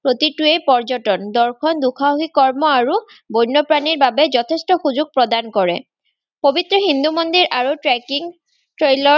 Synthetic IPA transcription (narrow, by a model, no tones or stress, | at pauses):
pɹot̪ituejpɔɹd͡ʒɔtɔnd̪ɔɹkʰɔnd̪ukʰaɦikɔɹmɔaɹu | bojnːɔpɹaniɹbabɛd͡ʒɔt̪ʰestɔxuzuɡ̚pɹɔd̪ankɔɹɛ̰ | pobit̪ɹɔɦind̪umond̪iɹʔaɹutɹɛkiŋ | tɹejlɔ